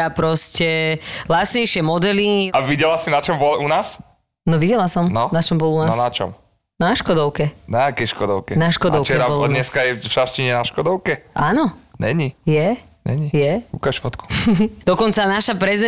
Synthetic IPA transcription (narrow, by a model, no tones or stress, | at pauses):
apɾɔscɛlasɲɛjʃɪɛmɔd̪ɛliaʋiɟɛlasinat͡ʃɔmbɔlʔunaːs | nɔʋiɟɛlasɔmnɔnat͡ʃɔmbɔlunaːɔsnat͡ʃɔ̰m | naʃkɔd̪ɔʊkɛnaakɛʃkɔd̪ɔʊkɛnaʃkɔd̪ɔt͡ʃɛɾambɔlɲɛskajɛfʃaʃciɲɛnaʃkɔd̪ɔʊkɛʔaːnɔɲɛ̰ɲijɛ | ɲɛ̰ɲijɛukaʃfɔt̪ku̥d̪̥ɔkɔnt͡sanaʃapɾɛzid̪ɛ